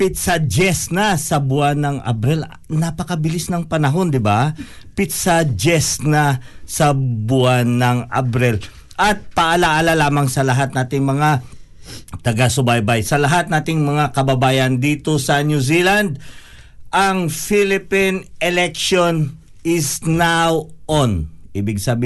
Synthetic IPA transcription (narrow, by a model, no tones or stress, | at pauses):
pɪt̪sɐd͡ʒɛsnɐsɐbʊanːɐŋɐ̰bɾɛl | nɐpɐkɐbɪlisnɐŋpɐnɐɦo̞nd̪ɪba | pɪt̪sad͡ʒɛsnɐsɐbʊanːɐŋɐbɾɛl | ʔɐt̪̚pɐʔɐlaʔɐlalaːmɐŋsɐlɐɦat̪̚naːt̪ɪŋmɐŋa | t̪ɐɡasʊbajbajsɐlɐɦat̪̚naːt̪ɪŋmɐŋakɐbɐbaːjɐnd̪iːt̪o̞sɐnjuziːland̪̚ | ʔɐŋfilɪpinɛlɛkʃon | ɪsnawʔonʔiːbɪɡsɐbi